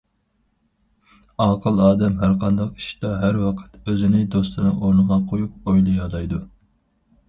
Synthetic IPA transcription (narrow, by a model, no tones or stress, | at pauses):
ɑːqʰəlˠɑːd̪ɛmɦæɾqʰɑnd̪ɑqi̥ʃi̥d̪̥ɑɦæɾwɑqʰə̥t̪øzɪnɪd̪ost̪ɨnɨʔoɾnəʁɑqʰojup̚ojlˠɨjɑd̪ˠɑjd̪u